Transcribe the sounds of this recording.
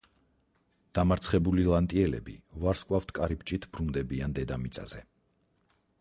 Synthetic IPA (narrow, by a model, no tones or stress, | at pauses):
d̪̥amaɾt̪sʰχɛbulilˠant̪ʼiɛlɛ̰bḭvaɾskʼlˠaft̪ʰkʼaɾipt͡ʃʼit̪ʰb̥ɾund̪ɛbiand̪ɛd̪amit̪sʼa̰z̥ɛ